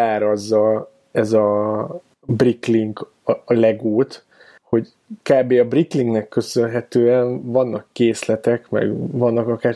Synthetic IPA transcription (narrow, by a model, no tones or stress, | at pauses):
aːɾɒzːɒ | ɛzɒ | brikliŋɡ | lɛɡoːt̪ | ho̞ɟ | kaːbeːɒbrikliŋɡnɛkːø̞sø̞nɦɛt̪øːɛnvɒnːɒkːeːslɛt̪ɛkmɛ̰ɡvɒnːɒkɒkaːr